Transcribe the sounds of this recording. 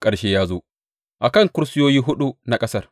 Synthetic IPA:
kʼɐ˨ɽʃeː˦jaː˦zoː˦ | ʔa˨kɐ˦˨ŋkʊ˦ɾsɪ˦joː˦jiː˦ɦʊ˦ɗu˦na˨kʼɐ˦sɐ˦˨r

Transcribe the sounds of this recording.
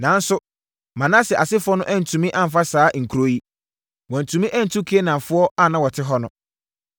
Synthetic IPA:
nã˨˦n̩˦sʊ˦ | mã˨nã˦sɛ˨ʔa˨sɪ˦fʊ˦ɔ˦nʊ̃˦ʔɛ̃˦n̩˨tʰũ˨mĩ˦ʔa˦m̩˨fa˦saː˦ŋ̩˨kʰu˨ɾo˨˦ji˦ | wɔ̃˨n̩˨tʰũ˨mĩ˦ʔæ̃˦n̩˨tʰũ˦kʰe˦e˦nã˨ɱ˨fʊ˦ɔ˦a˦˨nã˦wɔ˨tʰɪ˦ɦɔ˦nʊ̃˦

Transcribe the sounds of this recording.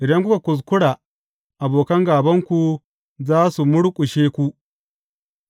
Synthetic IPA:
ɾɐ˦ŋkʷʊ˦ka˨kʷʊ˨s̬kʷʊ˦ɽaː˨ | ʔa˨boː˨kɐ˦ŋɡaː˨bɐ˦ŋkʷu˨ | zaː˦su˨mʊ˦ɽkʷʼʊ˨ʃeː˦kʷu˦ʔ

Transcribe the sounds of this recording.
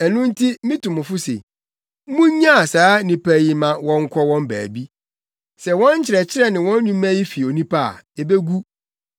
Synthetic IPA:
ɛ˨nʊ̃˦n̩˦tʰi˦mĩ˦tʊ̃˨mʊ̃˨fʊ˦sḛ˨˦ | mũ˦ɲã˦a˨saː˨˦nĩ˨pʰæ˦ji˨mã˨wɔ̃˦ŋ˦kʰɔ˦wɔ̃˦mbæ̰ː˨bi˦ | sɛ˨wɔ̃˦ɲ˦t͡ɕʰɪ˨ɾɛ˨t͡ɕʰɪ˦ɾɛ˦˨nɪ̃˨wɔ̃˦n˦ɲũ˦mæ̃˦ji˦fi˨o˨nĩ˦pʰa˦a̰˨e˨be˦ɡu˦

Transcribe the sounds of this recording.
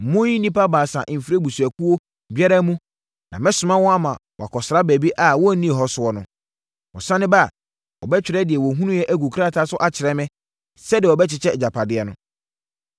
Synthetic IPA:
m̩˨mʊ̃˦ji˦nĩ˦pa˦baː˨sã̰˨ʔm̩˨fi˨ɾe˦bu˨su˨æ˨kʰu˦wo˦ | bi˦ɛ˦ɾa˦mũ˦ | nã˨mɛ̃˦sʊ˨mã˦wɔ̃˦a˦mã˨wɔ̰˨a˨kʰɔ˨sɾa˦bæ˨bi˦ʔa˨wɔ˦˨˦nĩ˦˨ɦɔ˦sʊ˦ɔ˦nʊ̃˦ | wɔ˨sã˦nɪ̃˦ba˦˨ | wɔ̰˨bɛ˦t͡ɕᶣɪ˨ɾɛ˦dɪ˨ɛ˨wɔ˨ɦũ˦nũ˦jɛ˦ʔæ˦ɡu˨kʰɾa˦˨tʰa˦sʊ˦ʔa˨t͡ɕʰɪ˨ɾɛ˦mɪ̃˦ | sɛ˦dɪ˨ɔ˨bɛ˦t͡ɕʰɪ˨t͡ɕʰɛ˦˨d͡ʑa˨pʰa˨dɪ˦ɛ˦nʊ̃˦

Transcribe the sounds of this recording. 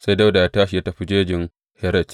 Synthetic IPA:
sa˦jda˦wda˨ja˦taː˦ʃi˨ja˦tɐ˨ɸi˦d͡ʒeː˦d͡ʒɪ˨ŋ | hɛ˦ɾɐ˦˨t͡ʃ

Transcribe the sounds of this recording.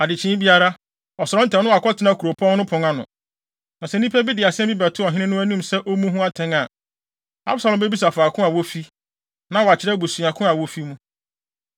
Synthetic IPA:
a˨dɪ˨t͡ɕʰɪ̃ː˦bi˦a˦ɾa˦ | ɔ˨sɔ˨ɾɔ̃˦n˦tʰɛ̃˨nʊ̃˦a˨kʰɔ˦tʰɪ˨nã˦˨kʰu˨ɾo˨pʰɔ̃˦ŋnʊ̃˦pʰʊ̃˨ŋa˦nʊ̰̃˨ | nã˨sɛ˨n˦ĩ˦pʰɛ˦bɪ˦dɪ˨a˨sɪ˦ɛ̃˦bi˦bæ˨tʰʊ˦ɔ˨ɦɪ̃˦nɪ̃˦nʊ̃˦æ˦nũ˦msɛ˦ʔo˦mũ˦ɦũ˦a˦tʰɛ̃˦ŋa˨ | a̰˦bsa˨lɔ̃˨mbe˦bi˦s̬a˨faː˨kʰʊ̃˦a˨wo˦fi˦ | nã˦wɔ˨a˨t͡ɕʰɪ˨ɾɛ˦bu˨su˨a˨kʰʊ̃˦a˨wo˦fi˦mũ˦

